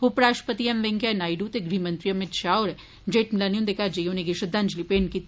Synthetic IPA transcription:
upɾaːʃʈpət̪iɐmʋeŋkjanaːjɖut̪eɡɾimɐ̃nt̪ɾijɐmɪt̪ʃaːoːɾ | d͡ʒeːʈmɪlanjund̪ekad͡ʒejoneɡeʃəd̪ʱand͡ʒlipeːnki

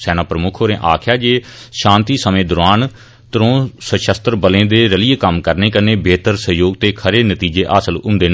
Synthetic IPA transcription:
sɛːnaːpɾəmʊkʰɦoːɾẽːʔaːkʰjaːd͡ʒeːʃãːnt̪iːsəmẽːd̪ʊɾaːn | t̪əɾõːsəʃəst̪əɾbəlẽːd̪eːɾəlɪjeːkəmkəɾneːkəɾneːbeːt̪əɾsəɦjoːɡt̪eːkʰəɾeːnət̪iːd͡ʒeːʔaːsəlʊ̰̃nd̪eːn

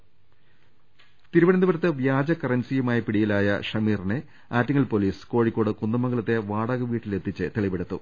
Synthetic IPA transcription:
t̪iɾuʋɐɽɐnd̪ubɐɾɐt̪ːɨʋjaːd͡ʑɐkɐrɐnsijumaːjipiɽijilaːjɐ̰ʂɐmiːrinɨ | aːtːiŋːɐɭpo̞ːliːsɨ̥koːɻikʲːo̞ːɽɨkunːɐmːɐŋɡɐɭɐt̪ːe̞ʋaːɽɐɣɐʋiːʈːilet̪ʰːit͡ɕːɨt̪eɭiʋeɽut̪ːṵ

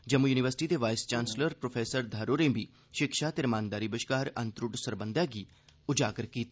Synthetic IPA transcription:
d͡ʒəmujuːnɪʋəɾsɪʈiːd̪eːʋaːɪst͡ʃaːnsləɾpɾoːpʰeːsəɾd̪ʱaːɾoːɾẽːbʱiː | ʃɪkʃaːt̪eɾmãːnd̪aːɾiːbəʃkaːɾə̃nt̪ɾʊɖsəɾbənd̪jaːɡiː | ʊd͡ʒaːɡəɾkiːt̪ː

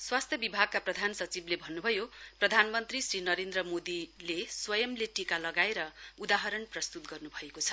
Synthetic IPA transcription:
swast̪ʰjʌbibʱaɡ̚kːaprʌd̪ʱansʌt͡siblebʱʌnːubʱʌjoprʌd̪ʱanmʌnt̪risrinʌɾend̪rʌmod̪ileswʌjʌmleʈikalʌɡaeɾʌud̪aɦʌɾʌnprʌst̪ut̪ɡʌrnubʱʌekot͡sʰʌ̥

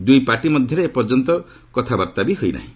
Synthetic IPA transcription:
d̪ujpaʈimɔd̪ʱjɔɾepɔɾd͡ʒɔnt̪ɔ | kɔt̪ʰabaɾt̪abiɦojna̰ɦĩ

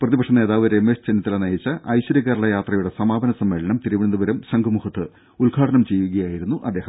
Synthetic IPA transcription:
prɐðibɐkʂɐne̞ːðaːʋɐɾemːest͡ɕenit̪ːilɐnɐjit͡ɕːɐʔɐjɕwɐɾɐkːɐːɾɐɭɐjaːt̪rɐjuɽe̞sɐmaːbɐnɐsɐmːeːɭɐɳɐmt̪iɾiʋiɳnd̪ubɐɾɐmɕɐŋɡɐmuhɐt̪ːɨ | ulɡʱaːʈʰɐnɐmt͡ɕe̞jːuɣɐjaːjiɾun̪ːuʔɐd̪ːeːhɐm

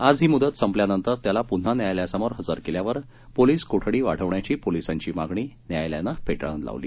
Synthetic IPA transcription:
ad͡zɦiːmud̪ət̪səmpljanənt̪əɾt̪jalapun̤ːanjajljasəmoɾɦəd͡zaɾkeljaʋəɾ | poliːskoʈʰɽiːʋa̰ɽ̤əʋɳjat͡ɕiːpolisaɲt͡ɕiːmaɡɳiːnjajlja̰napeʈɭã̰nla̰ʋliː

